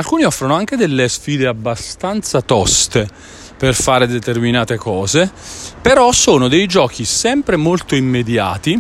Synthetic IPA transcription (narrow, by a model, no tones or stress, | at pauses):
alkuːniɔfːɾanoaŋk̟ed̪elːesfiːd̪eabːast̪ant̪sat̪ɔst̪e | perfaːɾed̪et̪erminaːt̪ekɔːzepeɾɔsoːnod̪ejd͡ʒɔːk̟ʰisɛmpɾemolt̪oimːed̪ja̰ːt̪i